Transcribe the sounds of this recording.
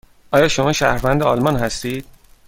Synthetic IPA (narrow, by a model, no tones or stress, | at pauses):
ʔɒːjɒːʃo̞mɒːʃæhɾvænd̪eɒlmɒːnɦæst̪iːd̪̥̚